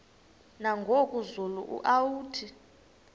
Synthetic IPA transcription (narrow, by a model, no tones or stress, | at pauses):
naŋɡʱokʼuzulṵʔṵʔawuːtʰi